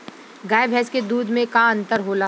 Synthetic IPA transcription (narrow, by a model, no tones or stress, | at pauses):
ɡaːjbʱɛːsked̪uːd̪ʱmẽkãə̃nt̪əɾɦoːla